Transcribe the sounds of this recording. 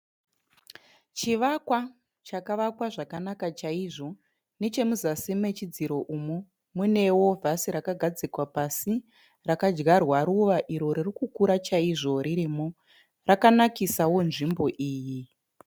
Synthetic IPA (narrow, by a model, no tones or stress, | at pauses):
t͡ʃiʋakwa | t͡ʃakaʋakwaʐakanakat͡ʃaiʐo̞ | ne̞t͡ʃe̞muzasimwe̞t͡ʃid͡ziɾo̞ʔumo | mune̞wo̞vʱasiɾakaɡʱad͡zikwapasi | rakad͡ʒɡarwaɾuʋaʔiɾo̞ɾirikukuɾat͡ʃaiʐo̞ɾiɾimo | rakanakisawo̞nʐimbo̞ʔiːji